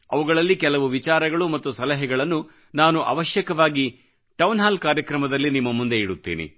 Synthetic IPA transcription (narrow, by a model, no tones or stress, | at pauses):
ɐʋuɡɐɭɐlːikɛlɐʋuʋit͡ʃaːɾɐɡɐɭumɐt̪ːusɐlɐɦɛɡɐɭɐnːu | naːnuʔɐ̰ʋɐʃjɐkɐʋaːɡi | ʈɐwnɦaːlkaːɾjɐkɾɐmɐd̪ɐlːinimːɐmund̪eiɽut̪ːḛːnḭ